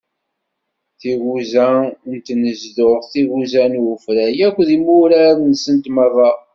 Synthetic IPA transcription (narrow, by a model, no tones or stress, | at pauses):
θiɣuzænt̪nəzðʊʁθiɣuzænfɾæjækʷːðimuɾaɾnsənt̪mərˤɑ